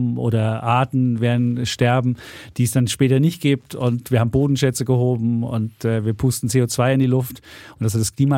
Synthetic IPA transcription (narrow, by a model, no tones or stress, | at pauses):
ʔo̰ːɾɐʔaːtn̩veːɐdn̩ʃtɛɐbm̩d̥iːɛsd̥anʃpɛːtɐnɪçt̚ɡ̥iːp̚tʊntv̥iːɐhaːbm̩boːdn̩ʃɛt͡səɡəhoːbm̩ʊ̰ntɛːviːɐpʰuːstn̩t͡seːot͡sv̥aɪɪndiːlʊftʔʊntd̥as̬hatdaskʰl̥iːma